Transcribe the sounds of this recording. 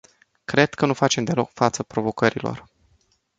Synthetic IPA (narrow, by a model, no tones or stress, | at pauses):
kɾe̞d̪̥kənufat͡ʃe̞md̪elo̞kfat̪səpɾo̞vo̞kəɾilo̞̰r